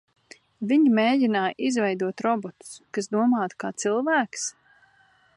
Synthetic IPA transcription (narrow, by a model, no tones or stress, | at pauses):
viɲimeːjinaːʔizvɛjd̪uɔt̪ɾɔbɔt̪u̥skasd̪uɔmaːt̪kaːt̪silˠvæːks